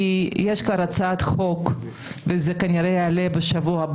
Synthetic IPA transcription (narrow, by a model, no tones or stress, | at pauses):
ijeʃkvaɾat͡saat̪χok | vezekaniɾejaːlebeʃavuab